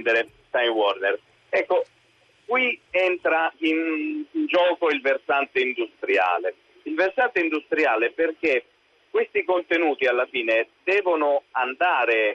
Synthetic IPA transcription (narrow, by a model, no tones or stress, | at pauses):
d̪eɾe | st̪ajnwɔrner | ɛkːo | kwiɛnt̪ɾainnd͡ʒɔːkoilversant̪eind̪ust̪ɾja̰ːle | ilversant̪eind̪ust̪ɾjaːleperk̟e | kwest̪ikont̪enuːt̪ialːafiːned̪ɛːvonʊand̪aːɾe